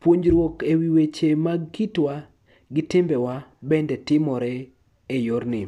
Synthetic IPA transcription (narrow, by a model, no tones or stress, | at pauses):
pwoɲɾwokewiwet͡ʃemaɡkitwa | ɡɪtɪmbɛwabɛndɛtɪmɔɾɛ | ejoɾnɪ